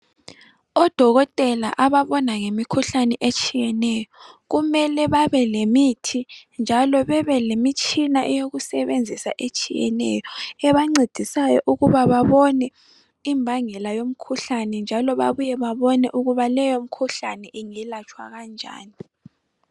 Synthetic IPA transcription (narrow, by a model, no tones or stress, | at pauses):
ɔd̥ʱɔɣɔtʼɛla̰ʔaβaβɔnaŋemikʰuɬanɛʔet͡ʃʼijɛnɛjɔɣumɛlɛβaβɛlemitʰind͡ʒʱalɔβɛβɛlemit͡ʃʼinaʔɛjoɣusɛβend͡zʱisa̰ʔet͡ʃʼijɛ̰nɛ̰jɔɛβaŋ͡ǀid̥ʱisajɔ̰ʔuɣuβaβaβɔnɛ | imbʱaŋɛlajom̩kʰuɬanɛnd͡ʒʱalɔβa̰βujɛβaβɔnɛʔuɣuβalɛjom̩kʰuɬanɛʔiŋɛlat͡ʃʰʼwa̰ɣand͡ʒʱa̰ːni